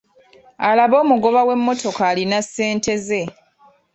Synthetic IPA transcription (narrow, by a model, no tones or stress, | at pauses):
alaβo̞ːmuɡo̞βawe̞mːo̞to̞kaːlinasːe̞ːnte̞ze̞